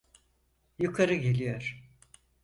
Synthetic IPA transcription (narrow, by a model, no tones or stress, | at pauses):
jukʰaɾɯɟe̞lʲijoɾ̥